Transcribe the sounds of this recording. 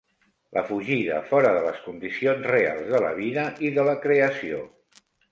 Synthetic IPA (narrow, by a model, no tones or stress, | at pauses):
lʔəfuʒiðə̰fɔɾəðələskund̪isionzrea̰lˠzðələ̰β̞iðəʔiðələkɾeəsio̰